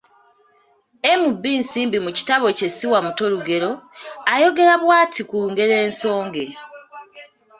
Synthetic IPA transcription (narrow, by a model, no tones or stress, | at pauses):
e̞mubːiːnsiːmbimuci̥taβo̞ce̞siwamuto̞luɡe̞ɾo̞ajo̞ɡe̞ɾaβwaːtʰikuːŋɡe̞ɾe̞ːnso̞ːŋɡe̞